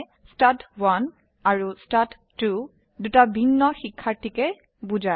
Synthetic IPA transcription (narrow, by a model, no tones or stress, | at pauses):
statwan | aɹustatːu | dutabʱinːɔxikʰːaɹtikɛ | bud͡ʒa